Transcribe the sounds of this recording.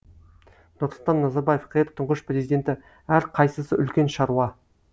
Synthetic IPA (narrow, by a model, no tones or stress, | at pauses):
nʊɾslˠt̪ɑnːɑzɑɾbɑje̞fqʰet̪ʰːʊɴʁəʃprʲe̞zijd̪ʲe̞nt̪ɪ | æɾqʰɑjsəsəʏlkʲe̞nʃɑɾuɑ